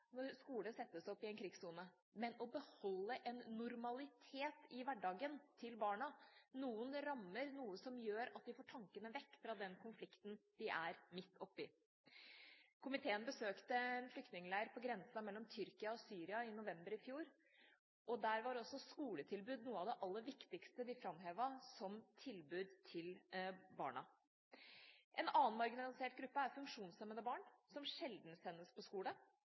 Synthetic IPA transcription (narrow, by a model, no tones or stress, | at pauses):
nɔɾskuːləsɛt̪ːəsɔpːɪɛnkʰɾɪɡsuːnə | mɛnɔbəhɔlːəʔɛnːʊɾmɑlɪt̪ʰeːt̪ɪʋæɖɑːɡənt̪ʰɪlbɑːɳɑnuːʊnɾɑmːəɾnuːəsɔmjøːɾɑt̪̚d̪ɪfoːʈʰɑŋkənəʋɛkːfɾɑd̪ɛnkʰʊnflɪkt̪nd̪̥ɪʔæɾmɪt̪ːɔpːɪ | kʰʊmɪt̪ʰeːənbəsøːkt̪əɛnflʏkt̪nɪŋlæɪəɾpʰɔɡɾɛnsɑmɛlːɔmt̪ʰʏɾkɪɑɔsyːɾɪɑɪnʊʋɛmbəɾɪfjuːɾ | ʔɔd̪æːɾʋɑɾɔsːɔskuːlət̪ʰɪlbʉːd̪nuːəɑʋd̪ɛʔɑlːəɾʋɪkt̪ɪkst̪əd̪ɪfɾɑmɦeːʋɑsɔmt̪ʰɪlbʉːd̪t̪ʰɪlbɑ̰ːɳɑ̰ | ʔɛnɑːnmɑɾɡɪnɑlɪseːʈ̚ɡɾʉpːəæɾfʉŋkʂuːnsɛmənəbɑːɳsɔmʂɛld̪nsɛnːəspʰɔskuːlə